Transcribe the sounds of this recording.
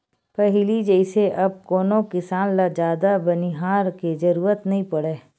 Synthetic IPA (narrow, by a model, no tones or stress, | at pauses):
pɐɦɪlid͡ʒəɪseʔɐb̚koːnokɪsaːnlad͡ʒaːd̪abɐniɦaːɾked͡ʒɐɾuːɾət̪nɐɦĩpɐɽeː